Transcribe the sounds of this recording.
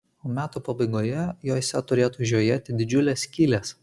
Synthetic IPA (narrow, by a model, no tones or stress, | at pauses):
oːmʲæːt̪uːpɐbɐɪɡoːjɛjoːsʲɛt̪ʊɾʲeːt̪uːʒʲoːjeːt̪ʲɪd̪ʲɪd͡ʒʲʊlʲeːsʲkʲiːlʲes